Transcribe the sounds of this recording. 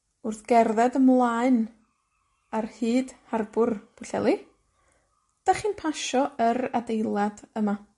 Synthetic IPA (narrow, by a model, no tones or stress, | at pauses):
ʊrθɡ̥ɛrðɛdəmlˠaɨn | arhɨːd̥harbʊrb̥ʊɬɛ̰lˠi | d̥aχiːnpʰaʃɔəɾadejlˠadəma